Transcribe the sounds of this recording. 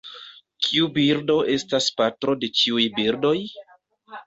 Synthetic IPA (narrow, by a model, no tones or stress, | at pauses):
kʰiubiɾdo̞ʔe̞staspatɾo̞de̞t͡ʃiujbiɾdo̞j